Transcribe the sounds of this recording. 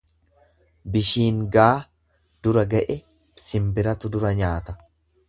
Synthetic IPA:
bɪʃiːŋɡaː | d̪ʊɾɐɡɐʔɛ | sɪmbɪɾɐt̪ʊd̪ʊɾɐɲaːt̪ɐ

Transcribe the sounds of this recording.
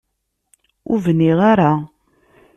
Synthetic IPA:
ʊ̰vənːiʁaɾa

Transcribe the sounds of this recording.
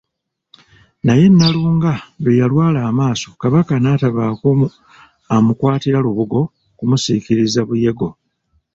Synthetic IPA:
naje̞nːaluːŋɡaβejalwaːlaːmaːso̞kaβakanaːtaβaːku | amukwaːtiɾaluβuɡo̞ | kumusiːkiɾizaβuje̞ɡo̞

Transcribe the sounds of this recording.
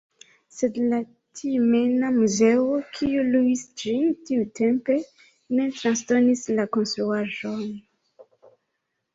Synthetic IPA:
se̞dla | tʰimenamuze̞okʰiuluisd͡ʒintiute̞mpe̞ | ne̞tɾansto̞nislako̞nst̪ɾuaʒo̞n

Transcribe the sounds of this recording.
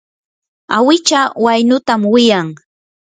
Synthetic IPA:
awɪt͡ʃawajnʊt̪amwɪjaŋ

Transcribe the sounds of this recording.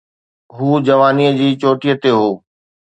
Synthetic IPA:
ɦuːd͡ʑɐʋaːniəd͡ʑiːt͡ɕoːʈijət̪eɦoː

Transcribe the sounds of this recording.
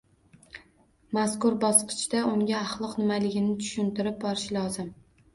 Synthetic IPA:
maskʊɾbɒsqʰɨ̥t͡ʃd̪aʊŋɡʲaːχlˠɒqnɪmalɪɡʲɪnɪt̪ʰʊ̥ʃʊnt̪ɪɾɪp̚bɒɾɪʃlˠɒzɪm

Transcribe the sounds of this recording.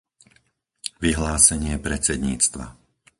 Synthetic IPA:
ʋiɦlaːsɛɲɪɛpɾɛt͡sɛd̪ɲḭːt͡st̪ʋa̰

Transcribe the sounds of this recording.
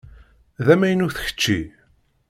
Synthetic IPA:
ðæmæjənuθə̥çə̥t͡ʃːi

